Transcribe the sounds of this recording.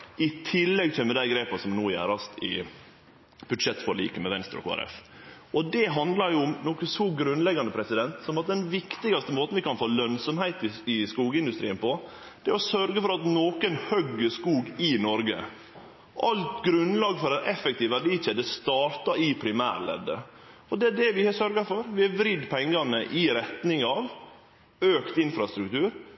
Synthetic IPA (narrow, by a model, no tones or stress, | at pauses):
ɪt̪ʰɪlːɛɡt̪ʰɛmɛd̪æɪɡɾeːpɑsɔmnuːjæ̰ɾɑst̪ʰɪ̰ | b̥ʉd̪ʂɛt̪ːfɔɾlḭːkəmɛʋɛnst̪ɾɔ̰kʰo̰ːæ̰ɾɛ̰f | ɔd̪ɛɦɑnd̪lɑɾjʊʊmnɔkəsɔɡɾʉnlɛɡːɑnəpʰɾɛsɪd̪ɛnt̪sɔmɑt̪̚d̪ɛnʋɪkt̪ɪɡɑst̪əmoːt̪n̩ʋɪkɑnfoːlœnsɔmhæɪt̪ɪɪskuːɡəɪnd̪ʉst̪ɾiːənpʰɔ | d̪̥ɛɔsœɾɡəfɔɾɑt̪noːkənhœɡːəskuːɡɪnɔɾɡə̰ | ʔɑlt̪ɡɾʉnlɑːɡfɔɾɛnɛfɛkt̪iːʋæɖiːt͡ʃɛːd̪əst̪ɑːɾt̪ɑɪpʰɾɪmæ̰ːɾlɛ̰d̪ːə̰ | ɔd̪ɛæɖɛʋɪhɑsœɾɡɑfɔɾʋɪæʋɾɪd̪pʰɛŋːɑnəʔɪɾɛt̪nɪŋɑʋ | øːkt̪ɪnfɾɑst̪ɾʉkt̪ʉːɾ